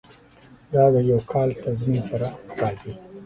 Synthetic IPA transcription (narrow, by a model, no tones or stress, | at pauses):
d̪ɑd̪əjawkʰɑlt̪azminsaɾaɾɑzi